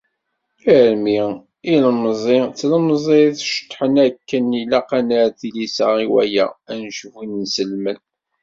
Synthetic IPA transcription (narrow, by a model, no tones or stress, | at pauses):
iɾmi | iləməzˤɪt͡sːləmzˤiθʃə̥t̪ˤːħənækːənilæqɑnæɾθilisəʁiwæ̰jæ̰ænʃvinnsəlmən